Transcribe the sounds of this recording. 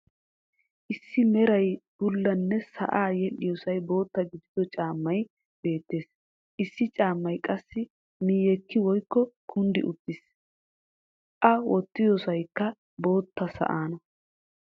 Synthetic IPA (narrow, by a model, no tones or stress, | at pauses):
ʔɪsːɪmɛɾɐjb̥ʊlːɐnːɛsɐ̰ʔaːjɛlɪjɔsɐjbo̞ːt̪ːɐɡɪd̪ɪd̪ɔt͡ʃʼaːmːɐj | be̞ːt̪ːe̞ːs | ʔɪsːɪt͡ʃʼaːmːɐjkʼɐsːɪ | miːjɛkːɪwɔjkːɔkʰʊnd̪ɪʔʊt̪ːɪs | ʔɐwɔt̪ːɪjɔsɐjkːɐ | bo̞ːt̪ːɐsɐ̰ʔaːnɔ